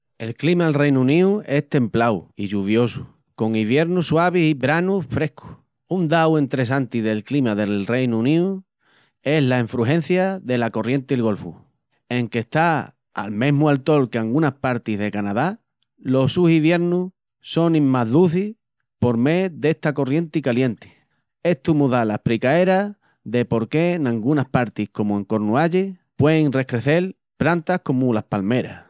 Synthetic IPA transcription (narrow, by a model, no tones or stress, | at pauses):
e̞lklimaelrejnuũnĩue̞ht̪e̞mplawiʝuβ̞jo̞su | ko̞ŋiβje̞ɾnuswaβ̞isiβɾanufɾe̞hkʰu̥ | und̪awe̞nt̪ɾe̞s̬ant̪iðe̞lklimaðe̞lre̞jnuunĩu | e̞ɦlaiɱfɾuɦẽ̞n̟θjaðe̞lako̞rje̞nt̪ilɣo̞lfṵ | e̞ŋke̞ht̪a | a̰lmẽ̞ɦmualt̪o̞lke̞aŋɡunahpaɾt̪iðe̞kanaða | lo̞suhiβje̞ɾnu | so̞nĩmmaɦðuθi | po̞ɾme̞ðe̞ht̪ako̞rje̞nt̪ikalje̞nt̪i̥ | e̞ht̪umuðalapɾikae̞ɾa | ðe̞po̞ɾke̞nãŋɡunahpaɾt̪ihko̞mue̞ŋko̞ɾnuaʎepwe̞eŋre̞kɾe̞θe̞l | pɾant̪ahko̞mulahpalme̞ɾa̰